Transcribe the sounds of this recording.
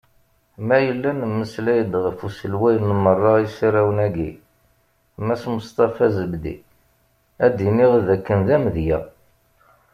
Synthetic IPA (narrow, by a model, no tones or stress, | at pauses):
mæjəlːænmːəslæjəd̪ʁəfusəlwæjnmərˤːɑisaɾæwnæɡḭ | mæsmʊst̪ɑfæzəbd̪ḭ | æd̪iniʁðækːənðæmðjæ